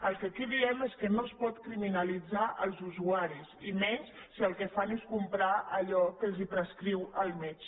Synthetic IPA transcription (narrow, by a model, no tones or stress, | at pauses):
əlˠkəkiðiɛmeskənoəspɔt̪kɾiminəlid͡zaʔəlˠzuzuaɾisimɛɲs | siəlˠkəfaneskumpɾaəʎɔkəlˠzipɾəskɾiwəlˠmɛt͡ʃ